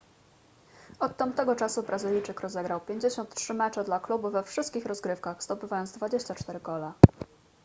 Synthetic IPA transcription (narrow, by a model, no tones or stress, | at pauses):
ɔt̪ːamt̪ɛɡɔt͡ʂasubɾazɘlʲit͡ʂɘkɾɔzɛɡɾawpʲjeɲd͡ʑeɕɔnt̪tʂɘmɛt͡ʂɛd̪laklubuvɛfʂɘst̪kʲixɾɔzɡɾɘfkaxz̥t̪ɔpɘvajɔnzd̪vad͡ʑeɕt͡ɕat͡ʂt̪ɛɾɘkɔla